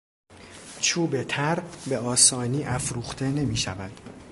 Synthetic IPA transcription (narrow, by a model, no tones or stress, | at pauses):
t͡ʃʰuːbe̞t̪ʰæɾbe̞ɒːsɒːniːʔæfɾuːxt̪ʰe̞ne̞miːʃævæd̪̥